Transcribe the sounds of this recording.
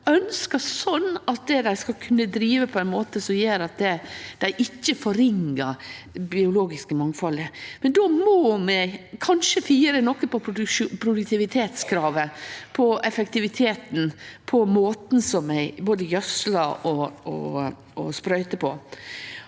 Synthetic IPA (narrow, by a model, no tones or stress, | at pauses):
œnskəsɔnːɑt̪̚d̪ɛd̪æɪskɑlkʰʉnːəd̪ɾiːʋəpʰɔɛnmoːt̪əsɔmjeːɾɑt̪̚d̪ɛd̪̥æɪʔɪcːəfɔɾɪŋːəɾbɪʊloːɡɪskəmɑŋfɑləmɛnd̪oːmoːmɛkʰɑnʃəfiːɾənɔkːəpɔpʰpʰɾʊd̪ʉk̚t̪ʰɪʋɪt̪ʰeːt̪skʰɾɑːʋəpʰɔɛfɛk̚t̪ɪʋɪt̪ʰeːt̪n̩pʰɔmoːt̪n̩sɔmæɪboːd̪əjœsləɾɔɔ̰ | ɔ̰spɾœʏt̪əpʰɔ